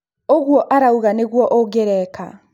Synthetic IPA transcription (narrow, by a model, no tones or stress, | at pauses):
oɣwɔʔaɾauɣaneɣwɔʔoɡeɾɛka̰